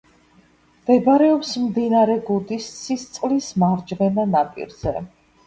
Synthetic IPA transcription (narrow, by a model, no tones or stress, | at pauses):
md̪̥ɛbaɾɛɔpsmd̪inaɾɛɡud̪ist̪sʰist̪sʼlismaɾd͡ʒvɛnanapʼḭɾz̥ɛ